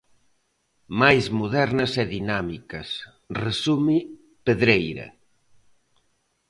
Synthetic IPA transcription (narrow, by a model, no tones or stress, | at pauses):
majzmuð̞ɛɾnɐsɛðinamikɐs | resumi | peðɾejɾɐ̰